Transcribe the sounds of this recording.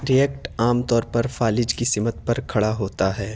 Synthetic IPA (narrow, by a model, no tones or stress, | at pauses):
ɾijɛk̚ʈaːmt̪ɔːɾpɐɾfaːlɪd͡ʒkisɪmət̪̚pɐɾkʰɐɽaɦoːt̪aɦɛː